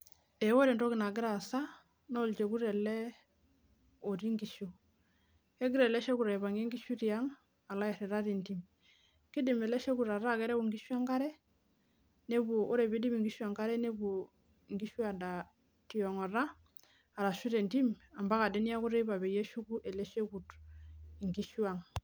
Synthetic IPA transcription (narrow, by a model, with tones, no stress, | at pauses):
e˨˦wo˦ɾe˨nto˦kɪ˨na˨ɡɪ˦ɾa˨sa˦ | no˦˨lt͡ʃe˨ku˦ɾɛ˨lɛ˦ | o˨ɾi˦ŋɡi˨ʃo˨ | ke˦ɡɪ˦ɾɛ˨lɛ˦ʃe˦ku˨ɾe˨βa˨ŋe˦ŋɡi˦ʃu˦ti˨a˦ŋ | a˨la˦ja˨ɾɛ˨ɾa˦ti˨nti˦m | ki˦di˨mɛ˨lɛ˦ʃe˦ku˨ɾa˨ɾa˦kɛ˦ɾɛ˦u˨ŋɡi˦ʃu˦a˦ŋɡa˦ɾɛ˦ | ne˦bu˨o˦ɾe˨bi˦di˦mi˨ŋɡi˦ʃu˦a˨ŋka˦ɾɛ˦ne˦bu˨ | ŋɡi˦ʃu˦a˨da˨ | ti˨ɔ˨ŋa˨ɾa˦ | a˨ɾa˨ʃu˦te˨nti˦ma˨mba˦ka˨de˦ni˦ja˦ku˦ɾe˦ba˨be˨je˦ʃu˦ku˦ʔe˨le˦ʃe˦ku˨t | i˨ŋɡi˦ʃu˦a˨ŋ